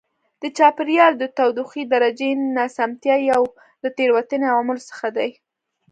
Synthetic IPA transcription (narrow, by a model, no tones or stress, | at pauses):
d̪̥ət͡ʃɑpɪɾjɑld̪ət̪awd̪uxid̪aɾad͡ʒenɑsamt̪jɑjaw | lət̪eɾwat̪əneawɑmʊlsə̥xad̪aj